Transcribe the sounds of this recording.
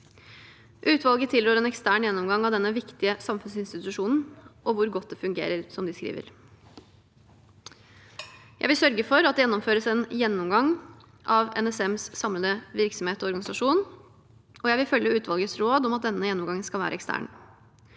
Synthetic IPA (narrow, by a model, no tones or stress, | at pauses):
ʔʉːt̪ʋɑlˠɡət̪ʰɪlɾoːɾɛnɛkst̪æːɳjɛnːɔmɡɑŋːɑʋd̪ɛnːəʋɪkt̪ɪəsɑmfʉnsɪnst̪ɪt̪ʉʂuːnn̩ʔɔʋʊɾɡɔt̪̚d̪ɛfʉŋɡḛːɾəɾsɔmd̪ɪskɾḭːʋə̰ɾ | jæɪʋɪlsœɾɡəfɔɾɑt̪̚d̪ɛjɛnːʊmføːɾəsɛnjɛnːɔmɡɑŋ | ʔɑʋɛ̰nɛsɛmssɑmləd̪əʋɪɾksɔmheːt̪ɔɔɾɡɑnɪsɑʂuːn | ʔɔjæɪʋɪlfœlːəʉːt̪ʋɑlɡəsɾoːd̪ɔmɑt̪̚d̪ɛnːəjɛnːɔmɡɑŋːənskɑlʋæ̰ːɾəɛkst̪æ̰ːɳ